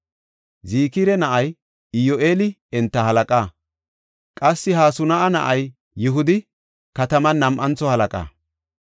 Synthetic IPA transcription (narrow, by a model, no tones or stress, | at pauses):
ziːkiɾɛnɐʔɐj | ɪjoːʔeːlɪ | ɛnt̪ːɐhɐlɐkʼaː | kʼɐsːɪhaːsʊnɐʔɐnɐ̰ʔɐj | jɪɦʊd̪ɪ | kɐt̪ɐmɐnɐmʔɐnt͡sːɔhɐlɐkʼa̰ː